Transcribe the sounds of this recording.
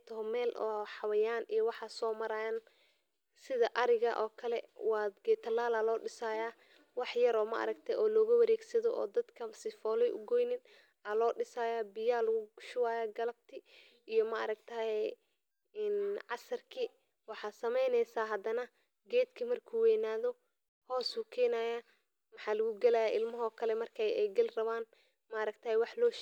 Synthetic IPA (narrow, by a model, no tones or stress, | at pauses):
t̪ʰɦmɛːlʔɔ̰ːħɑwɐjaːnijɔwɑħɑsɔːmɐɾɐjɐn | sɪðɐʔɐɾɪɣɐ̰ʔɔːkʰɐlɛ̰wɑːd̪ɡɛːt̪ʰːɐlaːlalɔːɖɪsaːjaː | wɑħjɐɾɔːmɐ̰ʔɐ̰ɾɐɡt̪ʰɛʔɔːlɔːɣʊwɐɾɛːɡsɐðɔʔɔ̰ːd̪ɐd̪kʰɐsɪfɔːlɛjʔʊ̰ɡɔjnɪn | ʔɐlɔːɖɪsaːjaːbɪjaːlʊɣʊɡʃʊwaːjaːɡɐlɐb̚t̪ʰɪ | ijɔmɐɐ̰ɾɐɡ̚t̪ʰɐhɛ | nʕɑsɐrkʰi | wɑħɑːsɐmɛjnɛjsaːɦɐd̪ɐnɐ | ɡɛːd̪kʰimɐrkʰuːwɛːnaːðɔ | hɔːsuːkʰɛːnaːjaː | mɑħɑːlɐɣʊɡɛlɐjaːʔɪlmɐɦɔkʰɐlɛmɐrkʰɛjɛɡɐlrɐβaːn | mɐɾɐɡ̚t̪ʰɐhɛjwɑħlɔː